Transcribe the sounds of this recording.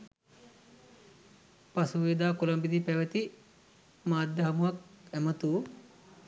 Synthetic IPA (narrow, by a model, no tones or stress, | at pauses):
pasuʋiːd̪aːkolɐmbid̪ipæʋət̪i | maːd̪jɐɦɐmuɦɐk̚æmət̪u